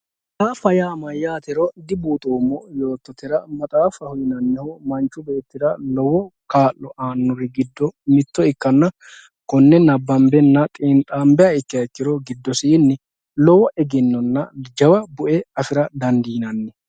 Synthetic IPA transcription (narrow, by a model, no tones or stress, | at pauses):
t̪aːfɐjaːmɐjːaːt̪ɪɾɔd̪ɪbuːt̪ʼoːmːɔjo̞ːt̪ːɔt̪ɪɾɐmɐt̪ʼaːfɐhʊjɪnɐnːɛhɔmɐnt͡ʃːʊbe̞ːt̪ːɪd̪ɐlɔwɔkaːʔːɔʔaːnːɔɾɪɡɪd̪ːɔmɪt̪ːɔɪkːɐnːɐ | kɔnːɛnɐbːɐmbɛnːɐt̪ʼɪnt̪ʼaːmbɛjɐɪkːɪjɐɪkːɪɾɔɡɪd̪ːɔsɪːnːɛ | lɔwɔʔɛɡɪnːɔnːɐd͡ʒɐwɐbʊʔɛɐfɪɾɐd̪ɐnd̪iːnɐnːɛ